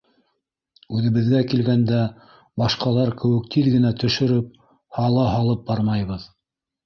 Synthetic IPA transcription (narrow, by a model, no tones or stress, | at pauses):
ʉðɘ̆βɘ̆ðɡækilɡænd̪æ | bɑʃqɑlˠɑɾkɘ̆wɘ̆k̚t̪ʰiðɡɘ̆næt̪ɵ̆ʃɵ̆ɾɘp̚ | hɑlˠɑɦɑlˠɤp̚bɑɾmɑjβɤð